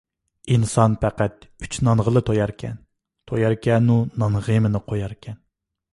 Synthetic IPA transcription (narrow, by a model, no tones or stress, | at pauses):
insɑnpʰæqæt̪yt͡ʃnɑnʁəlˠɨt̪ʰojɑɾkʲʰɛ̰n | t̪ʰojɑɾkʲʰɛnunɑnʁemɪnɨqʰojɑɾkʲʰɛn